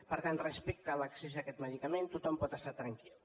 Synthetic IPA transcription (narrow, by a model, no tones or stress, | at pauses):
pəɾt̪anrəspɛk̚t̪ələksesakɛt̪məðikəment̪ut̪ɔmpɔt̪əst̪at̪ɾəŋkil